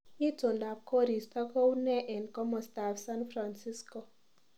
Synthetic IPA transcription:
i˦to˨nda˨p̚ko˦ɾi˨st̪ɔ˦ko˦wnɛ˦ʔɛ˨ndkɔ˦mɔst̪afsanfɾa˨nsi˦sko˨

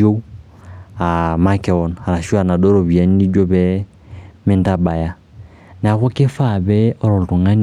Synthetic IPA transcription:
o˦ | a˨ma˦kɛ˨ɔ˨˦na˨ɾa˨ʃu˦a˨na˨dɔ˦ɾɔ˨βi˨a˨˦ni˦ni˦d͡ʒɔ˦βɛ˦ | me˦nda˦ba˨ja˦ | n˨a˨kɔ˦ke˦fa˦˨βɛ˦ɔ˦˨ɾɔ˨n˨tu˨ŋa˦ɲ

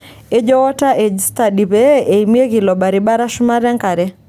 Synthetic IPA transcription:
e˦d͡ʒɔ˦wɔ˦ta˦ʔe˨d͡ʒsta˨di˨be˦e˨imje˦ɣi˨lɔ˨ba˨ɾiba˦ɾa˦ʃu˦ma˦ɾa˦ŋka˨ɾɛ˦

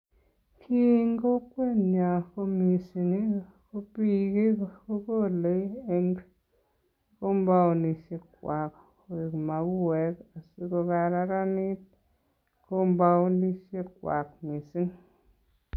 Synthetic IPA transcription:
kʰi˦ŋɡo˦kwe˦˨nɲa˨ko˦mi˨si˨ni˦ | ko˦pi˨ki˦ko˦ko˦˨le˦e˦ŋ | ko˦mba˦wni˨ʃe˦˧kwa˨k | e˨kma˨ku˦wɛ˨ka˨si˦ko˧ka˨ɾa˧ɾa˦ni˦t̚ | ko˦mba˦wni˦ʃe˦kwa̰˨kmi˨si˦n

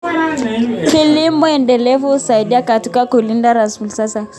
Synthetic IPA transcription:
ki˨li˦mɔɛndɛlɛvusa˨iɗi˦a˦ka˨tu˦ka˦ku˨li˦ndaɾa˨nsfu˨lsa˦sa

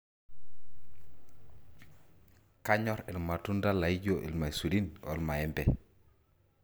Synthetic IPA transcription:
ka˦ɲɔɾi˨lma˨tu˦nda˦la˨i˦ɟoʔḭ˨lma˨su˨lino̰˨lma˨ɛ˦mbɛ

